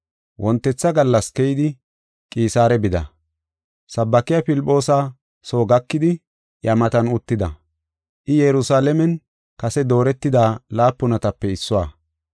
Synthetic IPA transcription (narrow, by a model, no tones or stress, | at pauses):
wʔɔnt̪ːɛt͡sːɐɡɐlːɐskɛjɪd̪ɪ | kʼiːsaːɾɛbɪd̪ɐ̰ | sɐbːɐkɪjapɪlɪpʼːo̞ːsa | so̞ːɡɐkːɪd̪ɪ | jɐmɐt̪ɐnʊt̪ːɪd̪ɐ | ʔɪjɛɾʊsaːlɛmɛn | kɐsɛd̪o̞ːɾɛt̪ːɪd̪aːlaːpːʊnɐt̪ɐpːɛɪsːʊwaː